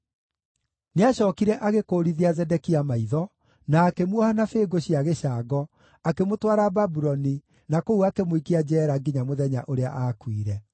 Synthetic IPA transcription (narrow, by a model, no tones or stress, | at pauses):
neaɕɔːkiɾɛʔaɣekoɾiðiazɛdɛkiamaiðɔ | naːkemwɔhanafeːɡoɕiaɣeɕaːɡɔ | akemotwaɾababuɾɔni | nakouakemoikiad͡ʑɛːɾaɡiɲamoðɛɲa̰ʔoɾea̰ʔaːkwiɾɛ